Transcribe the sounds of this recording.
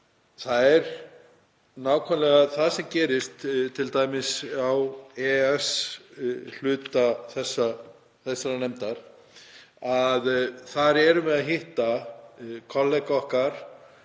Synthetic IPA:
θaðɛɾ | naːwkʰœnlɛɣaðθaðsɛmcɛːɾɪst̪t̪ʰːɪlt̪aːjmɪsawɛɛs | l̥ʏːt̪aθɛsːa | θɛsːaɾanɛmt̪aɾ̥ | aðθaɾɛɾʏmɛðaɦɪht̪a | kʰɔlːɛkɔhkaɾ̥

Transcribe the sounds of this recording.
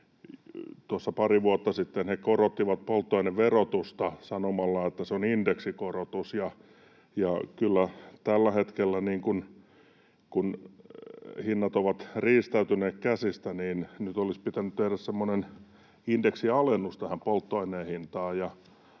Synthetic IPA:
t̪uosːɑpɑriʋuot̪ːɑsit̪ːenhekorot̪ːiʋɑt̪̚polt̪ːoineʋʋerot̪ust̪ɑsɑnomɑlːɑet̪ːæseonindeksikorot̪usjɑ | jɑkylːæt̪ælːæhet̪kelːæniːŋkun | kun | hinːɑt̪oʋɑt̪riːst̪æyt̪yneːkkæsist̪æniːnnyt̪olispit̪ænyt̪t̪ehɾæssemːonen | indeksiɑlenːust̪æhæmpolt̪ːoineːhint̪ɑːjjɑ

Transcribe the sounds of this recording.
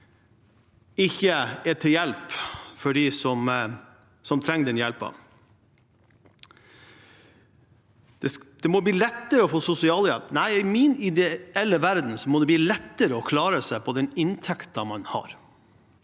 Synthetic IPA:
ɪçːəɛʈʰɪljɛlpfɔɖiːsɔm | sɔmt̪ʰɾɛŋːd̪ɛnjɛlpɑ̰ | d̪̥ɛd̪̥ɛmɔbliːlɛt̪ːəɾəɔfoːsʊsɪɑːljɛ̰lpnæɪɪmiːnɪd̪ɛɛlːəʋæɾd̪n̩sɔmɔd̪ɛb̪iːlɛt̪ːəɾəɔkʰlɑːɾəsæɪpʰɔd̪ɛnɪnt̪ʰɛkt̪ɑmɑnhɑ̰ɾ

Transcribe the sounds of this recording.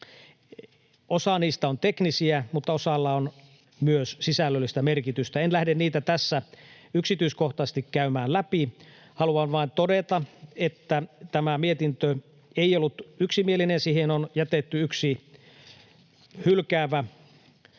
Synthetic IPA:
osɑniːst̪æont̪eknisiæmut̪ːɑosɑlːɑon | myøssisælːølːist̪æmerkit̪yst̪æenlæhdenniːt̪æt̪æsːæ | yksit̪yiskoht̪ɑsest̪ikkæymæːllæpi | hɑluɑnʋɑint̪odet̪ɑet̪ːæt̪æmæmiet̪int̪ø | eijolːut̪yksimielinensiːhenonjæt̪et̪ːyyksi | hylkæːʋæ

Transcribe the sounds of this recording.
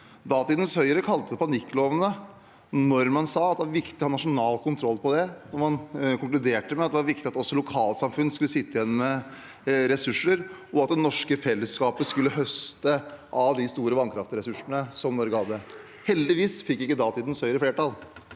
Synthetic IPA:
d̪ɑːt̪iːd̪ən̩shœʏəɾəkʰɑlt̪əd̪ɛpʰɑnɪkːloːʋənə | nɔɾmɑnsɑːɑt̪̚d̪ɛʋɑɾʋɪkt̪ɪhɑnːɑʂʊnɑːlkʰʊnt̪ʰɾɔlːpʰɔd̪ɛnɔɾmɑnkʰʊŋklʉd̪eːʈəmɛt̪d̪ɛʋɑɾʋɪkt̪ɪɑt̪ɔsːɔlʊkʰɑːlsɑmfʉnːskʉlːəsɪt̪ːəɪjɛnːmɛ | ɾɛsʉʂːəɾɔɑt̪̚d̪ɛnɔʂkəfɛlːəskɑːpəskʉlːəɦœst̪əʔɑʋd̪ɪst̪uːɾəʋɑnkʰɾɑft̪ɾɛsʉʂəɳəsɔmnɔɾɡəhɑd̪ə | hɛld̪ɪʋiːsfɪkːɪkːəd̪ɑːt̪ʰiːd̪ən̩shœʏəɾəfleːʈɑl

